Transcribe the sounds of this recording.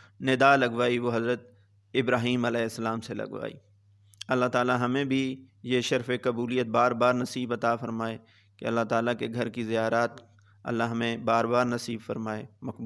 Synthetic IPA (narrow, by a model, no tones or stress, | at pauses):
nɪd̪aːlɐɡʋaːiʋoɦɐzɾət̪̚ | ɪbɾaːɦiːmɐlɛːɪsːɐlaːmselɐ̰ɡʋa̰ːḭː | ɐlːaɦt̪aːlaɦɐmẽbʱi | jeʃɐɾfekɐbuːlijət̪̚baːɾbaːɾnɐsiːbɐt̪afɐɾmaːe | kḛɐlːaɦt̪aːlakeɡʱɐɾkizijaːɾaːt̪ | ɐ̰lːaɦɐmẽbaːɾbaːɾnɐsiːbfɐɾmaːeːmɐkb